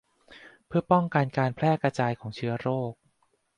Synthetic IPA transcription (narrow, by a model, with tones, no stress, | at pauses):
pʰɯ˥˩ɐpɔ˥˩ŋka˧nkaː˧npʰlɛː˥˩kɾa˧t͡ɕaː˧jkʰɔː˩˦ŋt͡ɕʰɯ˦˥ɐɾoː˥˩k̚